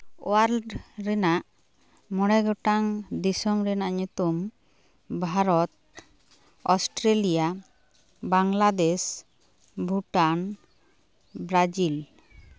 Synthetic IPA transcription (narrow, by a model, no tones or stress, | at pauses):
o̰aɾlɖɾɛnaʔ | mɔɽɛɡɔʈaŋd̪isɔmɾɛnaʔɲut̪um | bʱaɾɔt̪̚ | ɔsʈɾelija | baŋlad̪es | bʱuʈan | bɾad͡ʒil